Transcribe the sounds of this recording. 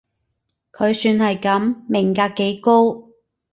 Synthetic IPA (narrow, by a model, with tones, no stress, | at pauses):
kʰɵ˨˧ɥsyː˧nhɐ˨jkɐ˨˥mːɪ˨˩ŋkaː˧kːe˨˥jko˥w